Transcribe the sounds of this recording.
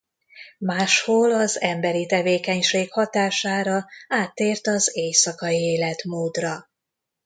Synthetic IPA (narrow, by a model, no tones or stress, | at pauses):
maːʃhoːlɒzɛmbɛɾit̪ɛveːkɛɲʃeːkhɒt̪aːʃaːɾɒaːt̪ːeːrt̪ɒzeːjsɒkɒjieːlɛt̪moːd̪rɒ